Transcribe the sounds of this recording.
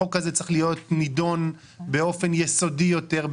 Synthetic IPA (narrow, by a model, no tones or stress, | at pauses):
okazet͡si̥χlijo̞tnido̞n | beo̞fe̞njeso̞dijo̞te̞ʁb